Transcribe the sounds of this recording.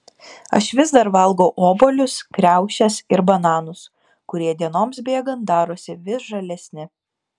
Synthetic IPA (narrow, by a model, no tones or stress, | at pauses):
ɐ̰ʃʋʲɪzd̪ɐɾʋɐlˠɡoʊʔoːboːlʲʊskɾʲæˑʊʃʲɛsɪɾbɐnɑːnʊs | kʊɾʲiɛd̪ʲiɛnoːmsbʲeːɡɐnt̪̚d̪ɑːɾoːsʲɪʋʲɪsʒɐlʲɛsʲnʲɪ